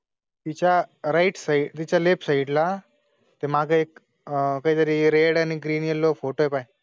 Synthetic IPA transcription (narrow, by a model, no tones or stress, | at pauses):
t̪it͡ɕaɾaiʈsait̪it͡ɕalepsaiɖla | t̪emaɡeek | kaɦit̪əɾiɾeɽaniɡɾiːnjelofoʈoepaj